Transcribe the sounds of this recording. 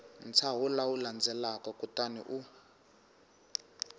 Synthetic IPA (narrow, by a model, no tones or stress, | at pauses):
nt͡sʰaɦulawuland͡zɛlakɔkutanḭʔu